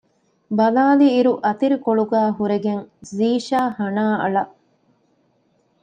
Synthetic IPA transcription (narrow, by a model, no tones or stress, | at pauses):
bɐlaːliːɾuʔɐt̪iɾikoɭuɡæːɦuɾeɡeŋziːʃaːhɐnaːɐ̰ɭɐʔ